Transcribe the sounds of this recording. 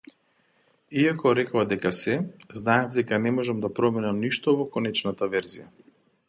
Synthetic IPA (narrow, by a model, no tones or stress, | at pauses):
iakɔɾɛkɔad̪ɛkasɛznaɛvd̪ɛkanɛmɔʒamd̪apɾɔminamniʃt̪ɔvɔkɔnɛt͡ʃnat̪avɛɾzija